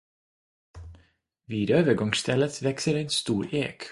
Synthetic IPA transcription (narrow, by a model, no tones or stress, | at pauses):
ʋiːɾøːʋəɡɑŋst̪ʰɛlət̪ʋɛksəɾeːnst̪uːɾḛːk